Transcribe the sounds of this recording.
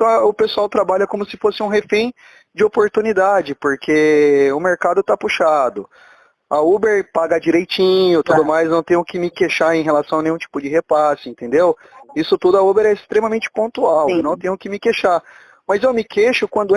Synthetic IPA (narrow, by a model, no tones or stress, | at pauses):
t̪ɐ̃ʊpesuawt̪ɾabaʎɐkõmʊsɪfosɪũɦefẽj̃ | d͡ʒɪopoɾt̪unid̪ad͡ʒɪpoɾkʰeʊmeɾkad̪ʊt̪apuʃad̪ʊ | ɐubeɾpaɡɐd͡ʒiɾejt͡ʃĩɲʊt̪ud̪ʊmajznɐ̃w̃t̪ẽɲjʊkɪmɪkeʃaɾẽj̃ɦelasɐ̃w̃ɐnẽjũt͡ʃi̥pʊd͡ʒɪɦepasʊẽnt̪ẽnd̪ew | isʊt̪ud̪ʊɐubeɾɛɪst̪ɾẽmɐmẽnt͡ʃɪ̥põnt̪uawnɐ̃w̃t̪ẽɲʊkɪmɪkeʃa | mɐzewmɪkeʃʊkwɐ̃nd̪ʊ